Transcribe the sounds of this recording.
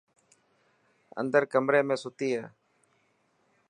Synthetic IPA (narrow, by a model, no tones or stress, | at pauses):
ə̰̃nd̪əɾkəmɾeːmẽːsʊt̪iːɦɛː